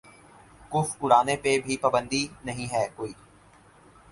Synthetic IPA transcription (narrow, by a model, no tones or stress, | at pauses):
kʊfʊɽaːnepebʱipaːbə̃nd̪inɐɦĩɦɛːkoːiː